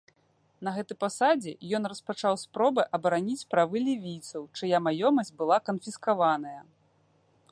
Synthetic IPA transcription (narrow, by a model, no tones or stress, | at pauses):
nɐɣɛt̪ɨjpasad͡zʲɛ̰jɔn̪rɐspat͡ʂawspɾɔbɨʔɐbɐɾanʲit͡sʲpɾavɨlʲivʲijt̪sɐwt͡ʂɨjamajɔmɐsʲt͡sʲbɨlˠakɐnfʲiskavan̪ɐjɐ